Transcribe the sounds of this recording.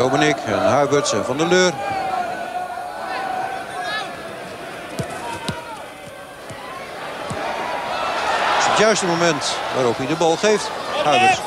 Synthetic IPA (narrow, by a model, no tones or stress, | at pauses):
owbənɪkʰɛ̰nɦœɥbøtsɛnvɔndəløːr | ɪsətjœɥstəmomɛntʋaːɾopidəbɑlˠχejfthœɥbət